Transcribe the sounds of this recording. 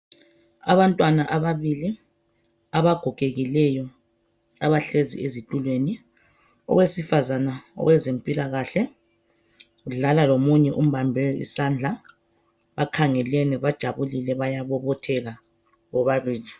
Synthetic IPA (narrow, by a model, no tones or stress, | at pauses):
a̰βantʼwanaʔaβaβili | aβaɡ̥ʱɔɡ̥ʱeɣilɛjɔ | aβaɬezḭezitʼulweːni | ɔ̰ɣwesifazanaɔ̰ɣwɛzempʼilaɣaɬɛ | ɣuɮalalomuɲɛʔum̩βambʱɛḭsand͡ɮʱa | βakʰaŋɛlɛnɛβad̥ʒ̥ʱaβulilɛβajaβɔβɔtʰɛɣa | ɣɔβaβiːli